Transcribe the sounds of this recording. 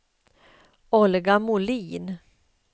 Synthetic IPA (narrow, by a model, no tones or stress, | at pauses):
ɔlɡamʊliːn